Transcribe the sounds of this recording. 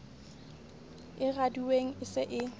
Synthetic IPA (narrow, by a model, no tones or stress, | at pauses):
ɪraduweŋ̩ɪsɪʔɪ